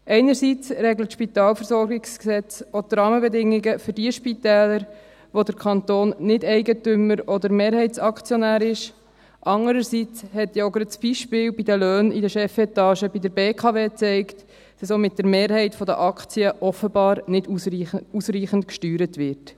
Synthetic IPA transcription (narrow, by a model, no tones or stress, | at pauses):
ʔɛɪnəɾsit͡srɛɡlətʃpit̪ɑːlfəɾsɔɾɡɪksksɛt͡sot̪rɑːməbɛdɪŋːɪɡəfʏɾdiəʃpitɛːləɾ | ʋodəɾkʰχɑnt̪oːnːɪdɛɪɡətʏməɾɔd̪əɾmeːɾɦɛɪtsɑkt͡sjɔnæːɾɪʃ | ʔɑŋəɾəɾsit͡shɛtjoɡɾəsb̥iʃpɪːlbidəlœːnidəʃɛfɛt̪ɑːʃəbidəɾbeːkʰɑveːt͡sɛɪkt | d̥ɑsomɪt̚d̥əɾmeːɾhɛɪtfɔdə̰ʔɑkt͡siəʔɔfəbɑːɾnɪdiusriːχəntkʃtyːɾətʋɪrt